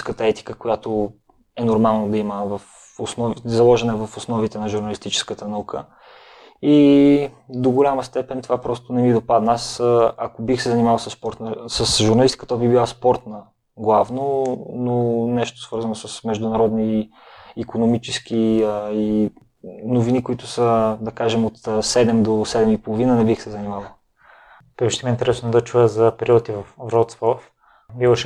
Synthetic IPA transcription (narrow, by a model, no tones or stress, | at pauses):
skət̪əɛt̪i̥kəkojat̪o | ɛnoɾmalˠnod̪ɐiməvɐf | osnɔvizɐlˠɔʒɛnɐɛvɐfosnɔvit̪ɛnɐʒuɾnɐlist̪it͡ʃɛ̥skət̪ənɐukʰə | i | d̪oɡolʲaməst̪ɛpɛnt̪ovapɾɔst̪ʊnɛmid̪opad̪nasakobixsɛzɐnimavəlˠsəspɔɾt̪nəsəsʒuɾnɐlist̪i̥kət̪əbibilˠaspɔɾt̪nə | ɡlˠavnononɛʃt̪ʊ̥svɤɾzɐnosəsmɛʒd̪ʊnɐɾɔd̪niː | konomit͡ʃɛsk̟ii | novinikʊit̪ʊsəd̪ɐkaʒɛmot̪sɛd̪ɛmd̪osɛd̪ɛmipolˠovinənɛbixsɛzɐnimavɐ | p̪ɛkuʃt̪ɛmint̪ɛɾɛsnod̪ɐt͡ʃujəzɐpɛɾiɔt̪ivɐfvɾɔt̪svɔf | bivɐʃɛ